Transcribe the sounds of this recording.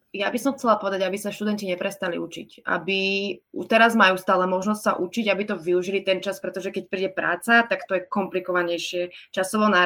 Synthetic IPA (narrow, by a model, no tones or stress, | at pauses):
jabisɔmxt͡sɛlapɔʋɛd̪aɟabisaʃt̪ud̪ɛnciɲɛpɾɛst̪alḭut͡ʃḭcʔa̰biut̪ɛɾazmajuːst̪aːlɛmɔʒnɔstʲsa̰ʔut͡ʃiɟabit̪ɔʋiuʒilit̪ɛnt͡ʃaspɾɛt̪ɔʒɛkɛc̚pɾiːɟɛpɾa̰ːt͡sat̪akt̪ɔjɛkɔmplikɔʋaɲɛjʃɪɛt͡ʃasɔʋɔnaː